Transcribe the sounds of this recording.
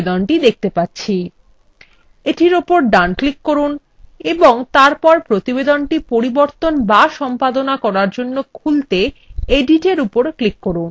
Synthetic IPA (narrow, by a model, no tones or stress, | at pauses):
d̪onʈid̪ek̚ʰt̪epatːɕʰi | eʈiɾopoɾɖanklikːoɾun | eboŋt̪aɾpɔɾpɾot̪ibed̪onʈipoɾiboɾt̪onbaʃɔmpad̪onakɔɾaɾd͡ʑonːokʰult̪eeɖiʈeɾupoɾklikːoɾun